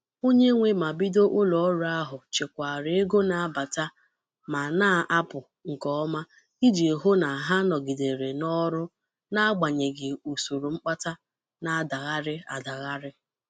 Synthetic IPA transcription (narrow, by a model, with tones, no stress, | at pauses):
o˦ɲe˦ŋʷe˦ma˨bi˦do˦ʔʊ˦lɔ˨ɔ˦ɾʊ˦a˦ɦʊ˨t͡ʃe˨kʷa˨ɾɪ˦e˦ɡo˦na˨a˦ba˨ta˦ | ma˨na˦˨ʔa˦pʊ˨ | ŋ̩˨kɔ˦ɔ˦ma˦ | i˦d͡ʒi˨ɦo˦na˨ɦa˦nɔ˨ɡɪ˨de˨ɾe˨nɔ˦ɾʊ˦ | na˦a˦ɡ͡ba˨ɲe˨ɡɪ˨u˨su˨ɾu˨ŋ͡m̩˦k͡pa˦ta˦ | na˨a˦˨da˨ɣa˦ɾɪ˦a̰˨da˨ɣa˦ɾɪ˦